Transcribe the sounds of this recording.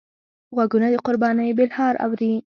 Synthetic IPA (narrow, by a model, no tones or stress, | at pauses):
ɣwaɡunad̪əqʊɾbɑnəjbɪlhɑɾa̰wɾi